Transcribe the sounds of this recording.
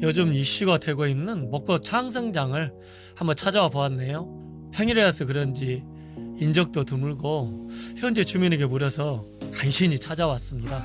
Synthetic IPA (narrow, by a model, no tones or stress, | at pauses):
jʌd͡ʑɯmiɕ͈iɡadwe̞ɡoinːɯnmʌk̚p͈ʌt͡ɕʰaŋsʰeŋd͡ʑaŋɯɭ | hambʌnt͡ɕʰad͡ʑawapoanːe̞jo | pʰeŋiɾeasʰʌk̬ɯɾʌnd͡ʑiː | nd͡ʑʌk̚t͈otumuɭɡoçjʌnd͡ʑe̞t͡ɕumine̞ɡe̞muɾjʌsʰʌ | kaŋɕʰiɲit͡ɕʰad͡ʑawas͈ɯmɲida